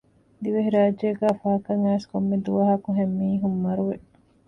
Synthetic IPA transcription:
d̪iʋeɦiɾaːd͡ʒeːɡæːfɐɦɐkɐŋæːskomːed̪uʋɐɦɐkuɦemːiːɦumːɐɾuʋe

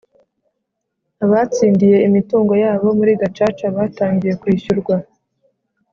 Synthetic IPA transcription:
aβat͡siːndije̞imituːŋɡo̞jaːβo̞muɾiːɡat͡ʃaːt͡ʃaβaːtaːɲɡije̞kwiːɕuɾɡwa

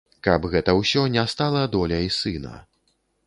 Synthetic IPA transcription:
kɐbɣɛt̪ɐwsʲɔnʲɛst̪alˠɐd̪ɔlʲɐisɨnɐ̰

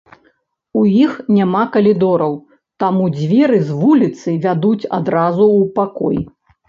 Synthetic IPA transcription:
ujixnʲamakɐlʲid̪ɔɾɐw | t̪amud͡zʲvʲɛɾɨzvulʲit̪sɨvʲad̪ut͡sʲa̰d̪ɾazupakɔ̰j

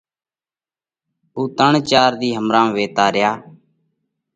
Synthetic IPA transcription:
uːt̪əɳt͡ʃaːɾd̪iːɦəmɾãːʋeːt̪aːɾɪjaː

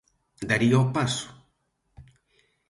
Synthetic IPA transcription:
d̪aɾiopasu̥

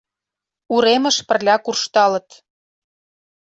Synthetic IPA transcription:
uɾemə̆ʃpə̆rlʲækurʃt̪ɑlɤ̆t̪

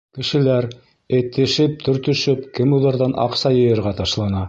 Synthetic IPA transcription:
kɘ̆ʃɘ̆læɾ | ĕt̪ːɘ̆ʃɘp̚t̪ʰɵ̆ɾt̪ɵ̆ʃɘpkɘmuðˠɑɾðɑnʔɑ̰qsɑjɤ̆jɤ̆ɾʁɑt̪ɑʃlˠɑnɑ

